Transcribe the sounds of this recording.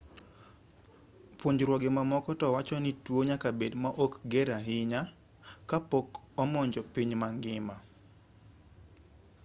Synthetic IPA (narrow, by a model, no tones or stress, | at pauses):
pwoɲd͡ʒɾwɔɡɪmamɔkɔtɔwat͡ʃɔnitwoɲakabedmaʔokɡɛɾaɦɪɲa | kapok | ɔmɔɲd͡ʒɔpiɲmaŋɡɪma